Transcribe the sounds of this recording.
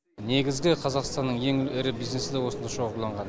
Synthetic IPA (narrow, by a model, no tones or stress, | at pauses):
ne̞ɡʲɪzɡʲɪqʰɑzɑqst̪ɑnːəɴje̞ŋɪɪɾɪbijzne̞sɪd̪ewo̞sənd̪ɑʃo̞ʁəɾlˠɑɴʁɑn